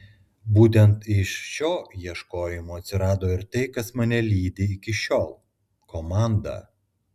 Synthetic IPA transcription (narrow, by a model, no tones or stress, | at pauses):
buːt̪ʲɛnt̪ɪʃʃʲoːjiɛʃkoːjɪmoːɐt̪ʲsʲɪɾɑːd̪oːɪɾt̪ɐɪkɐsmɑnʲɛlʲiːd̪ʲɪɪkʲɪʃʲoːlˠ | kʰoːmɑˑnd̪ɑ̰